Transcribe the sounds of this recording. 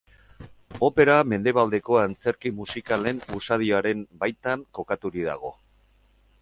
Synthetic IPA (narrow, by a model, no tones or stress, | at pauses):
o̞pe̞ɾame̞nd̪e̞β̞ald̪e̞ko̞ant͡se̞ɾkimusikale̞nusað̞ioaɾe̞mbajt̪aŋko̞kat̪uɾið̞a̰ɣ̞o̞